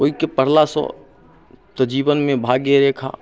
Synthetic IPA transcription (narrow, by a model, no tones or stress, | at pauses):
oːikepəɽ̤lasɔ̰ | t̪əd͡ʒiːbənmẽbʱaːɡeɾeːkʰa̰ː